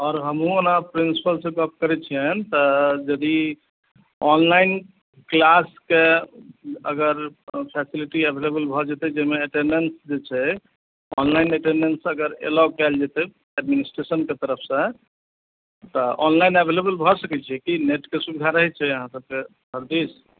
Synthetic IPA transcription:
ɔːɾɦəmɦũonapɾinsi̥pəlsəkəp̚kəɾɛt͡ʃʰiənt̪ɔd͡ʒəd̪i | ɔnlain | klaske | ə̰ɡəɾpʰɛsiliʈiebʱelebəlbʱɔd͡ʒɛt̪ɛd͡ʒemeːʈenɖensd͡ʒet͡ʃʰɛ | ɔnlainəʈenensəɡəɾḛlɔkɛld͡ʒet̪ɛ | ɛɖminisʈɾesənket̪əɾəpʰsə̃ | t̪ɔʔɔnlainebʱelebəlbʱɔsəkɛt͡ʃʰiɛkineʈkesubid̪ʱaɾəɦɛt͡ʃʰɛəɦãsəb̚ke | bʱəɾd̪is

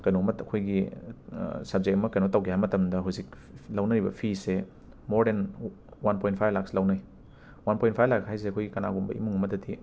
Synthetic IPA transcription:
kɐjnomɐtɐkʰojɡḭ | sɐb̚zek̚ɐmɐkɐjnotawkʰihajmɐtɐmdɐɦuzik̚ | lawnɐɾibɐ̰pʰise | moɾden | wanpoj̃nt̚pʰajlakslawnaj | wanpojnt̚pʰajlakhajs̬eɐkʰojɡikɐna̰ɡumbɐ̰ʔimuŋɐmɐtɐti

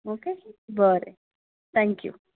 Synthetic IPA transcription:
oːkebɔɾe | t̪ʰɛ̃ŋkjṵ

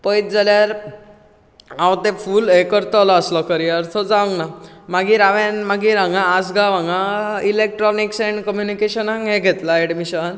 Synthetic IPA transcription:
pəjt̪̚d͡zaljaɾ | ãwt̪efulekəɾt̪ɔlɔəslɔkəɾiəɾt̪ʰɔd͡zaʋəŋɡnamaɡiːɾaʋẽnmaɡiɾãŋɡãːd͡zɡaʋãŋɡailek̚ʈɾɔniksɛ̃ɳɖkəmjunikeɕənɦãŋɡɦẽɡʱet̪laeɽmiɕən

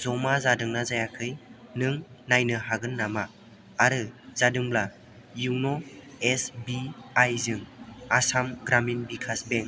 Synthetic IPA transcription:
zɔmazadɯŋnazajakʰɯjnɯŋnajnɯɦaɡɯnːamaː | ɾɯz̥adɯŋbla | juwnɔ | esbiajzɯŋasamɡɾaminbikʰasbeŋ

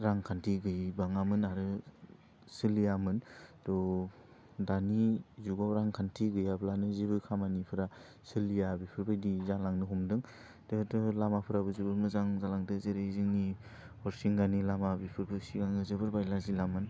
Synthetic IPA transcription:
ɾaŋkʰantʰiɡɯjbaŋamɯnaɾɯ | sɯlijamɯndɔ | danizuɡawɾaŋkʰantʰiɡɯjablanɯzibɯkʰamanipʰɯɾa | sɯlijabipʰɯɾbajdizalaŋnɯɦumdɯŋ | d̥ɯtɯlamapʰɯɾabɯzibɯɾmɯzaŋzalaŋdɯzeɾeziŋni | hɔɾsiŋɡanilamabipʰɯɾbɯsiɡaŋɯzɯβɯɾbajlazilamɯn

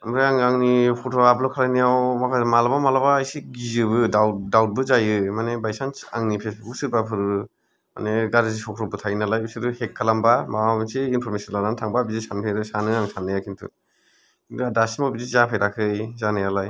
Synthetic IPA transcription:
amɾɯaŋaŋnipʰutʰoablɔkʰalajnijawmakʰamalabamalabaːjsiɡizɯbɯdawdawt̚bɯzajɯmanebajsansaŋnipʰesusɯɾbapʰɯɾɯ | ma̰neɡaɾezisʰɔkʰɾɔbɯtʰajnalajusɯɾɯhekʰːalambamaabɯnsiːnpʰɔɾmesinlaɾantʰaŋbabizisanpʰeɾɯsanɯamisʰandɯjakʰintʰṵ | kiŋdɯadasimabizizapʰajɾakʰɯjzanajalaj

